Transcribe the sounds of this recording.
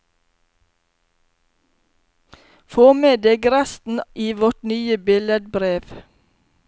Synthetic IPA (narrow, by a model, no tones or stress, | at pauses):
foːmeːd̪eːɡɾæst̪n̩ʔiːʋɔʈnyːəbɪləd̪̚bɾeːʋ